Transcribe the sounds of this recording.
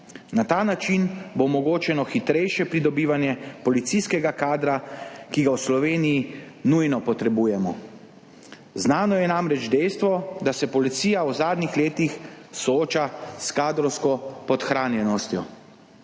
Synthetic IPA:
nat̪aːnat͡ʃinbomɔɡoːt͡ʃɛnɔxit̪ɾɛjʃjɛpɾid̪ɔbiːʋanjɛpɔlit̪siskɛɡakaːd̪ɾakiɡawslɔʋeːniji | nujnɔpɔt̪ɾɛbuːjɛmɔ | znaːnɔjɛnamɾɛd͡ʒd̪ɛjst̪ʋɔd̪asɛpɔlit̪siːjawzaːd̪nixleːt̪ixsɔoːt͡ʃaskaːd̪ɾɔwskɔpɔt̪xɾaːnjɛnɔst̪jɔ

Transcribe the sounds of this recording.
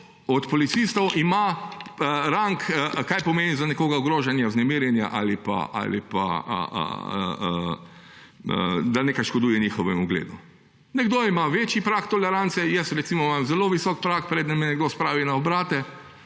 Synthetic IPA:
ɔt̪pɔlit̪sist̪ɔwʔimaəɾaŋkkajpɔmeːnizanɛkoːɡauɡɾoːʒanjaznɛmiːɾjɛnja̰ʔalipa̰ʔa̰lḭpa̰ə̰ə̰ə | əd̪anekajʃkɔd̪uːjɛnixɔʋɛmuɡlḛːd̪u | nɛɡd̪oːimaʋeːt͡ʃjipɾakt̪ɔlɛɾant̪sɛjɛsɾɛt̪simɔmamzɛloːʋisɔk̚pɾakpɾɛːd̪nɛminɛɡd̪oːspɾaːʋinaɔbɾaːt̪ɛ

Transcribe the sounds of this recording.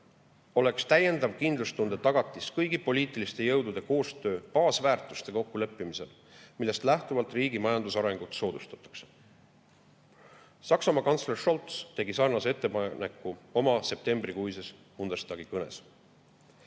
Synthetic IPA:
o̞le̞kst̪æje̞nd̪ɑvkind̪lust̪und̪̥et̪ɑɡ̥ɑt̪ˑːiskɤjɡipo̞liːt̪ˑilist̪e̞jɤwd̪̥ud̪̥e̞ko̞ːst̪ø̞ːpɑːsvæːrt̪ˑu̥st̪e̞ko̞kːulɤpːimise̞l | milːe̞st̪læht̪uvɑlt̪ˑriːɡimɑjɑnd̪usɑɾe̞ŋɡ̥ut̪so̞ːd̪ust̪ɑ̥t̪ːˑɑ̥kse̥ | sɑksɑmɑkɑnt̪slerʃo̞lt̪st̪e̞ɡisɑrnɑsee̞t̪ːˑepɑne̞kːˑuo̞mɑse̞p̚t̪e̞mbrikujses | mund̪̥est̪ɑɡikɤne̞̰s

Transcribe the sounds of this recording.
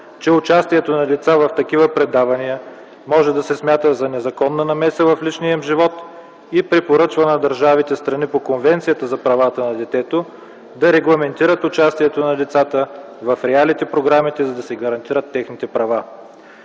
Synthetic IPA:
t͡ʃɛʊt͡ʃast̪iɛt̪onɐd̪ɛt̪savɐft̪ɐkivəpɾɛd̪avɐniə | mɔʒɛd̪ɐsɛsmʲat̪əzɐnɛzɐkɔnːɐnɐmɛsəvɐflit͡ʃniəmʒivɔt̪ | ipɾipoɾɤt͡ʃvənɐd̪ɐɾʒavit̪ɛst̪ɾɐnipokonvɛnt̪sijət̪əzɐpɾɐvat̪ənɐd̪ɛt̪ɛt̪o | d̪ɐɾɛɡlˠɐmɛnt̪iɾət̪ʊt͡ʃast̪iɛt̪onɐlit̪sat̪ə | vɐfɾɛalit̪ɛpɾoɡɾamit̪ɛzɐd̪ɐsɛɡɐɾɐnt̪iɾət̪ːɛxnit̪ɛpɾɐva

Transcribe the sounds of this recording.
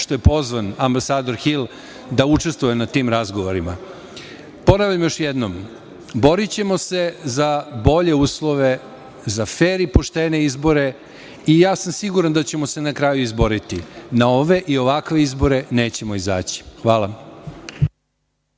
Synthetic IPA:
ʃt̪o̞je̞po̞zʋanambasaːd̪o̞ɾxilˠ | d̪aut͡ʂe̞st̪ʋujenat̪iːmɾazɡoʋo̞ɾima̰ | po̞naʋʎʲamjo̞ʃjɛd̪nom | bo̞ɾit͡ɕe̞mo̞se̞zabo̞ʎe̞uːslˠo̞ʋe | zafeːɾipo̞ʃt̪eːne̞izbo̞ɾe̞ | ijaːsamsiɡuɾand̪at͡ɕemo̞se̞nakɾaːjuizbo̞ɾit̪inaoʋe̞ʔio̞ʋakʋe̞izbo̞ɾe̞ne̞ːt͡ɕe̞mo̞iza̰ːt͡ɕi̥xʋaːlˠa

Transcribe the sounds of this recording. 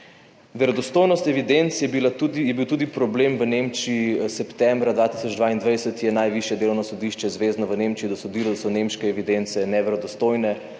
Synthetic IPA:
ʋɛɾɔd̪ɔst̪oːjnɔst̪ɛʋid̪ent̪sjɛbilaujɛbiwt̪uːd̪ipɾɔblemʋənemt͡ʃiisɛpt̪ɛmbɾad̪ʋaːt̪i̥sɔd͡ʒd̪ʋaind̪ʋajsət̪jɛnajʋiʃjɛd̪eːlɔwnɔsɔd̪iʃt͡ʃɛzʋeːznɔʋənemt͡ʃiid̪ɔsod̪iːlɔd̪sɔnemʃkɛːʋid̪ent̪sɛnɛʋɛɾɔd̪ɔst̪ojnɛ

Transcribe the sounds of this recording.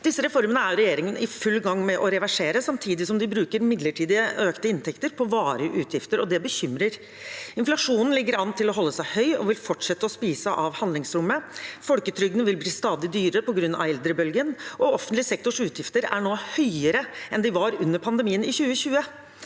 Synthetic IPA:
d̪̥ɪsːəɾɛfɔɾmənəæɾɾɛjeːɾɪŋənʔɪfʉlːɡɑŋːmɛʔɔɾɛʋæʂeːɾəsɑmt̪ʰiːd̪ɪsɔmd̪ɪbɾʉːkəɾmɪd̪ləʈʰiːd̪ɪəøːkt̪əɪnt̪ʰɛkt̪əɾpʰɔʋɑːɾəʔʉːt̪ʰjɪft̪əɾɔd̪ɛbəçʏmɾəɾ | ɪnflɑʂuːnn̩lɪɡːəɾɑnt̪ʰɪlɔɦɔlːəsæɪhœʏɔ̰ʋɪlfɔʈʂɛt̪ːəɔspiːsəʔɑʋhɑnd̪lɪŋsɾʊmːəfɔlkət̪ʰɾʏɡənəʋɪlbliːst̪ɑːd̪ɪd̪yːɾəpɔɡɾʉnːɑ̰ʋɛld̪ɾəbœlɡənʔɔɔfənt̪lɪsɛk̚t̪ɔʂʉːt̪ʰjɪft̪əɾæɳoːhœʏəɾəʔɛnd̪ɪʋɑɾʉnːəɾpʰɑnd̪əmiːənɪçʉːəɕʉːə

